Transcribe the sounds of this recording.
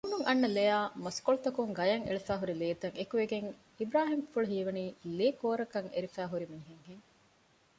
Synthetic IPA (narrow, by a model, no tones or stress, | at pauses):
umuŋʔɐnːɐlejaːmɐskoɭut̪ɐkuŋɡɐjɐŋḛɭefæːɦuɾileːt̪ɐŋekuʋeɡeŋ | ibɾaːɦimfuɭuɦiːʋɐniːleːkoːɾɐkɐŋḛɾifæːɦuɾimiŋɦeŋɦeŋ